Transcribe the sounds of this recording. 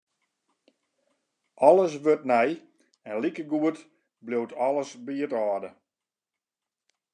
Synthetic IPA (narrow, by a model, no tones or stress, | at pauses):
ɔləs̬ʋøt̚nɛj | ɛnlikəɡuət | blowtʰɔləsbiətɔːdə